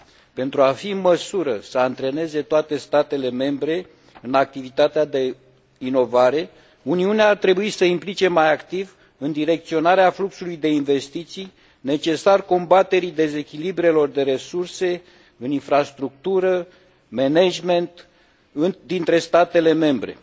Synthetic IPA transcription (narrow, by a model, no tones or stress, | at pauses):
pe̞nt̪ɾuafiɨnməsuɾəsəant̪ɾe̞ne̞ze̞t̪oat̪e̞st̪at̪e̞le̞me̞mbɾe̞ | ɨnak̚t̪ivit̪at̪ead̪e̞ | ino̞vaɾe̞ | uniuneaːrt̪ɾe̞buisəimplit͡ʃe̞majakt̪iv | ɨnd̪iɾe̞k̚t̪sio̞naɾeafluksulujd̪e̞inve̞st̪it̪sij | ne̞t͡ʃe̞sarko̞mbat̪e̞ɾid̪e̞ze̞kʲilibɾe̞lo̞rd̪e̞ɾe̞surse̞ | ɨninfɾast̪ɾuk̚t̪uɾə | me̞ned͡ʒme̞nt̪ | ɨnd̪int̪ɾe̞st̪at̪e̞le̞me̞mbɾe̞̰